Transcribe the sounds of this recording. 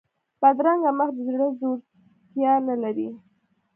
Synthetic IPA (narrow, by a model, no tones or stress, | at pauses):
bad̪ɾaŋɡaməxd̪əzɾuɽazoɾ | t̪jɑnalaɾi